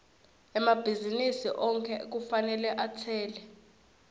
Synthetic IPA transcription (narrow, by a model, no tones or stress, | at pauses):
ɛmab̥ʱizinisiʔɔŋkʰʼɛek̬ufanɛlɛʔatʰɛːlɛ